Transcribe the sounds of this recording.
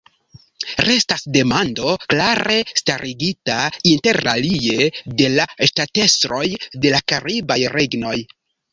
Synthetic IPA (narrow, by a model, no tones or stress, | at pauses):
ɾe̞stasde̞mando̞klaɾe̞staɾʔiɡitainte̞ɾa̰lie̞de̞laʃtate̞sɾo̞jde̞lakaɾibajɾe̞ɡno̞j